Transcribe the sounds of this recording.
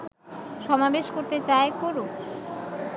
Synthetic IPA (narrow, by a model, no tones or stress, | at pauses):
ʃɔmabeʃkoɾt̪et͡ɕaekoɾo